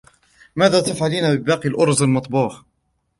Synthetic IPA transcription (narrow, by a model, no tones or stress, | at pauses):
maːðaːt̪afʕaliːnabɪbɑːqilʔʊɾˤzˤalmɑt̪ˤbuːħ